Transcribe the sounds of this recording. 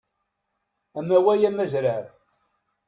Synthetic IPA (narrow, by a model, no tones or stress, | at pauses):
æmæwæjæmæʒɾaɾ